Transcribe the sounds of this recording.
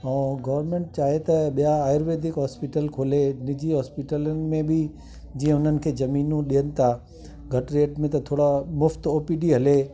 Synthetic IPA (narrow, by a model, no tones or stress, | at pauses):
ɛ̃ːɡɐʋəɾmẽːɳʈ̚t͡ɕaːɦet̪ɐɓijaaːɪɾʋeːd̪ʱɪkɦɔːspiʈəlkʰoːlenɪd͡ʑiɦɔːspiʈələnɪ̆mẽbɪ | d͡ʑĩːə̃ʊn̤ənɪ̆kʰeːd͡ʑɐmiːnũɗijənɪ̆t̪ʰa | ɡʱɐʈɾeːʈmẽt̪ɐt̪ʰoːɽamʊft̪oːpiɖiɦɐle